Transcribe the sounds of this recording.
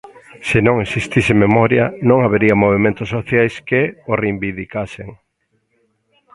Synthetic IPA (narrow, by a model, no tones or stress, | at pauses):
sɪnõŋesist̪isɪmemɔɾjɐnõŋaβeɾiɐmoβ̞emẽnt̪ʊsːoθjajskeoreimbiðikaseŋ